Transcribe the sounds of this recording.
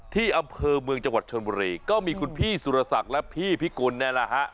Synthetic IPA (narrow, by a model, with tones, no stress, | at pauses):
t̪ʰiː˥˩ʔa˧mpʰɤː˧mɯ˧əŋt͡ɕa˧ŋwa˨˩t̪̚t͡ɕʰo˧nbuː˧ɾiː˧kɔː˥˩miː˧kʰu˧npʰiː˥˩su˨˧ɾa˧sa˨˩k̚lɛ˦˥pʰiː˥˩pʰiː˥˩kuː˧nːaː˥˩la˦˩ɦa˦˥ʔ